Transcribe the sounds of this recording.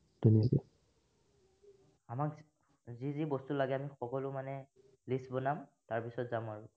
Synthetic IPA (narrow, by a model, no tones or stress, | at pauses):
tuniakɛ | amak | zizibɔstulaɡɛamixɔkɔlʊmanɛ | lisbɔnamtaɹpisɔtzamɔɹ